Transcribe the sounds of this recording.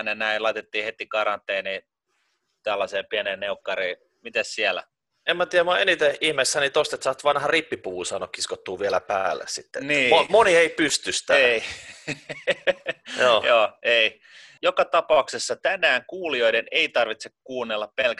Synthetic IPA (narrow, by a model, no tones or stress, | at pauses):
nenæilɑit̪et̪ːiːhet̪ikɑrɑnt̪ːˑeːniː | t̪ælːɑseːpiæneːnneukːɑriː | mit̪æssiælæ̰ | emmæt̪iæmoɑʔenit̪eihmesːænit̪ost̪et̪sɑːt̪ʋɑnhɑripːipuuːsɑnokːiskot̪ːuːʋiælæpæ̰ːlːḛssit̪ːḛniːomonieipyst̪yst̪æei | joːjoːei | jokɑt̪ɑpɑuksesːɑt̪ænæːŋkuːlioiɾeneit̪ɑrʋit̪sekkuːnːelːɑppelk